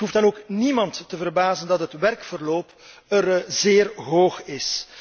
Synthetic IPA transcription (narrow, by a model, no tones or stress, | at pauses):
ɦufdɑnoːknimɑntːəvərbaːzəndɑtɦətʋɛrkfərloːp | ərzeːrɦoːxɪs